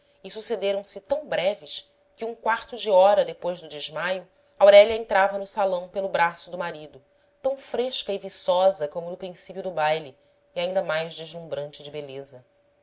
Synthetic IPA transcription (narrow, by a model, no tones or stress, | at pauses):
isused̪eɾɐ̃w̃sɪt̪ɐ̃w̃bɾɛvɪʃ | kɪũkwaɾt̪ʊd͡ʒiɔɾɐd̪epojzd̪ʊd͡ʒɪʒmajʊ | awɾɛljɐẽnt̪ɾavɐnʊsalɐ̃w̃pelʊbɾasʊd̪ʊmaɾid̪ʊ | t̪ɐ̃w̃fɾeʃkɐɪvisɔzɐkõmʊnʊpɾĩsipiʊd̪ʊbajliː | aĩnd̪ɐmajʒd͡ʒɪʒlũbɾɐ̃nt͡ʃɪd͡ʒɪbelezɐ